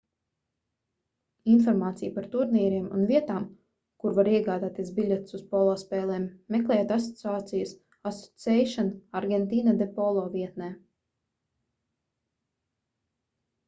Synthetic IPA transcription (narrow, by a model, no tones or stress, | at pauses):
infɔɾmaːt̪sijpaɾt̪uɾniɛɾiɛmṵnviɛt̪aːm | kuɾvaɾiɛɡaːd̪aːt̪iɛsbilʲet̪suspɔlˠɔːspɛːlˠɛːmːɛklˠɛjt̪asɔ̥t̪siaːt̪sijus | asɔ̥t̪sʲɛjʃɔnaɾɡʲent̪iːnad̪epɔlˠɔːviɛt̪nɛː